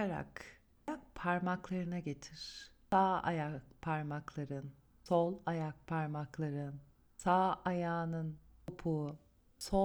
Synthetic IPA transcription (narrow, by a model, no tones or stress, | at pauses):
aɾa̰k | ak̚pʰaɾmaklˠaɾɯnaɟe̞t̪ʰiɾ̥saːa̰jakpʰaɾmaklˠaɾɯn | solˠajak̚pʰaɾmaklˠaɾɯn | saːʔajaːnɯnopʰu | so